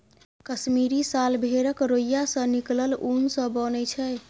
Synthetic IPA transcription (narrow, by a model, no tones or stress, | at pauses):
kəsmiɾisalbʱeɾəkɾojjasə̃nikləlunsə̃bənɛt͡ʃʰɛ